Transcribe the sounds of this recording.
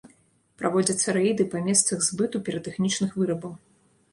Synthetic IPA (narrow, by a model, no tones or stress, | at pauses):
pɾʔavɔd͡zʲɐt̪sːɐɾɛjd̪ɨpɐmʲɛst̪sɐɣzbɨt̪upʲɛɾɐt̪ɛxnʲit͡ʂnɨxvɨɾɐbɐw